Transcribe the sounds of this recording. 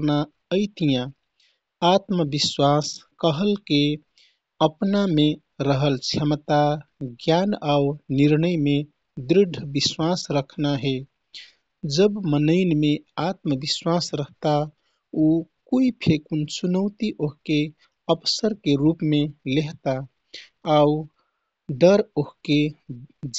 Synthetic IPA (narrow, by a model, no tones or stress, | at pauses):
na | əɪt̪ijã | at̪məbiswaskəɦəlke | əpname | ɾəɦəlt͡ʃʰəmt̪aɡjanauniɾnəjme | d̪ɾɪɖʱːbiswasɾəkʰnaɦe | d͡ʒəbmənəɪnmeat̪məbiswasɾəɦt̪a | okuipʰekunt͡ʃunəʊt̪iʔoɦke | əbsəɾkeɾupmeleɦt̪aː | u | ɖəɾoɦke